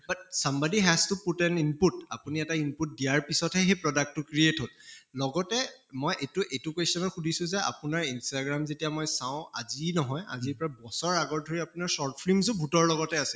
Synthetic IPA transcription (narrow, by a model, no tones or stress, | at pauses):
bat̚sãmbadiɦɛztuputɛninputa̰puniɛtainput̚dijaɹpisɔthɛxepɹɔdak̚tːʊkɹietɦollɔɡɔtɛmɔjʔetuʔetukesɔnɔtxudʱisʊ̃zɛa̰pʊnaɹinstaɡɹamzetijamɔjsaʊ̃a̰zinɔɦɔja̰ziɹpɹabɔsɔɹaɡɔɹ̚dʱoɹiapunaɹsɔɹtpʰlimzʊbʱutɔɹlɔɡɔtɛasɛ̥